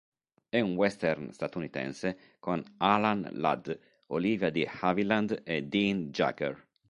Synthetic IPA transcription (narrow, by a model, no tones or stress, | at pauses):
ɛunwɛst̪ɛrnst̪at̪unit̪ɛ̰nse | konalanla̰d̪ | oliːvjad̪ihaviland̪ed̪ind͡ʒa̰kɛ̰r